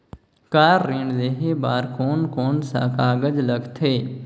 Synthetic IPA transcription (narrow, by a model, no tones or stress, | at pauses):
kaːɾːĩːɳɖd̪eːɦeːbaːɾkoːnkoːnsa̰ːkaːɡəd͡ʒləɡt̪ʰeː